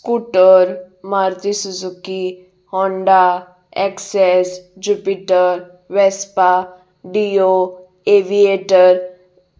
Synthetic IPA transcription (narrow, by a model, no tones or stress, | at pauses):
skuʈəɾ | maɾt̪isuzuki | hɔɳɖa | ɛksɛsd͡ʒupiʈəɾ | ʋɛspa | ɖio | eʋieʈəɾ